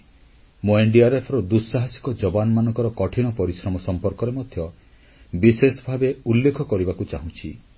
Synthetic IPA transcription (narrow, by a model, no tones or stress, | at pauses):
moeɳɖiaɾepʰɾɔd̪usːaɦasi̥kɔd͡ʒɔbanɔmanɔ̃ŋkɔɾɔkɔʈʰiɽ̃ɔpɔɾisɾɔmɔsɔmpɔɾkɔɾemɔd̪ʱjɔ | bisesɔbʱabeulːekʰɔkɔɾibakut͡ʃaɦũt͡ʃʰḭ